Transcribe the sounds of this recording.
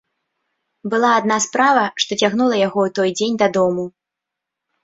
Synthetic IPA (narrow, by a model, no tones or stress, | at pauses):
bɨlˠaːd̪naspɾavɐʂt̪ɔt͡sʲaɣnulˠɐjaɣɔut̪ɔjd͡zʲenʲd̪ɐd̪ɔmu